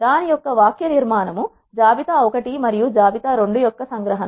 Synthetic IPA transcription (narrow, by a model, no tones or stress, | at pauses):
d̪aːnijɔkːɐʋaːkjɐniɾmaːnɐmu | d͡ʒaːbit̪aːɔkɐʈimɐɾijud͡ʒaːbit̪aːɾoɳɖujɔkːɐsɐŋɡɾɐɦɐnɐ